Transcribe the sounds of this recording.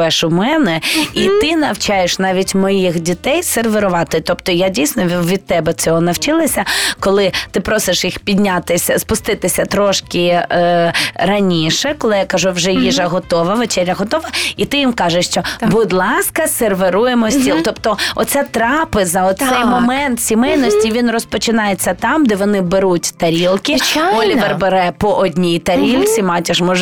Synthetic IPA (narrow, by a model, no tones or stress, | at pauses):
ɛʃʊmɛnɛit̪ɪnɐwt͡ʃajeʃnɑʋʲitʲmɔjixdʲit̪ɛjserʋeɾʊʋɑt̪ɪt̪ɔpt̪ɔjadʲijsʲnɔʋʲid̪̚t̪ːɛbɛt͡sʲɔɦɔnɐwt͡ʃɪlˠɪsʲɐkɔlˠɪt̪ɪpɾɔsɪʃjixpʲid̪ʲnʲat̪ɪsʲɐspʊst̪ɪt̪ɪsʲɐt̪ɾɔʃkʲɪ | rɐnʲiʃɛkɔlˠɪjakɐʒuʋʒɛjiʒɐɦɔt̪ɔʋɐʋet͡ʃɛlʲːɐɦɔt̪ɔʋɐit̪ɪjimkɑʒeʃt͡ʃɔbud̪lˠɑskɐserʋeɾujemɔsʲt̪ʲilˠt̪ɔpt̪ɔɔ̰t̪sɛt̪ɾɑpɪzɐɔt̪sɛjmɔmɛnt̪sʲimɛjnɔsʲtʲiʋʲinrɔspɔt͡ʃɪnɑjet͡sʲːɐt̪ɑmd̪ɛʋɔnɪbeɾutʲt̪ɐɾʲilˠkʲɪt͡ʃɔlʲiʋerbɐɾɛpɔʔɔdʲnʲijt̪ɐɾʲilʲt͡sʲimɑtʲɪʃmɔʒ